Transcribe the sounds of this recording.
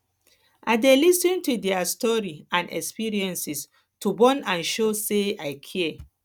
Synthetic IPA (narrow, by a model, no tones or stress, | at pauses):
ʔa̰ɪdelisĩntudɛastɔɹiãnɛ̰kspiɹiɛ̃nsis | tubɔ̃nãnʃoseaɪkʰiɛ